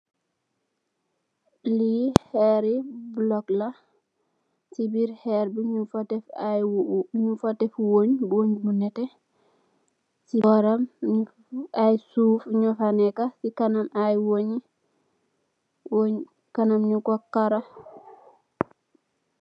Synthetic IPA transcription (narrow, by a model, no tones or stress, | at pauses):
lihɛɾibulɔkla | sibiɾhɛɾbiɲufatɛf | ɲufatɛfwoɲboɲbunɛtɛ | siɔɾam | ajsufɲɔfanɛkasikanamajwoɲi | woɲ | kanamɲukɔkːaɾo